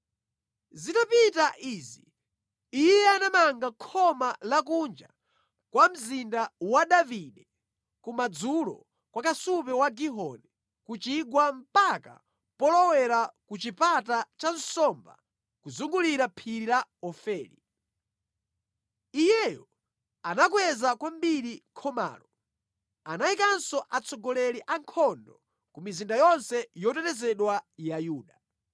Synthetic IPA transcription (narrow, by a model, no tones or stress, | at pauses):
zinapitaʔiːziː | jjɛanamaŋɡakʰɔmalak̬und͡ʒa̰ | kwam̩zindawaɗaviɗɛ | kumad͡zulɔ̰ | kwakasupɛwaɡiɦɔ̰nɛ | kut͡ʃiɡwam̩paka̰ | pɔlɔwɛɾakut͡ʃipatat͡ʃansɔmba | kuzuŋɡuliɾapʰiɾilaɔfɛːɾi | ijɛjɔ | anakwɛzakwambiɾiŋkʰɔma̰ːlɔ | anajikansɔʔat͡sʰɔɡɔlɛɾiʔaŋkʰɔndɔ | kumizindajɔnsɛjɔtɛtɛzɛɗwajajuːɗa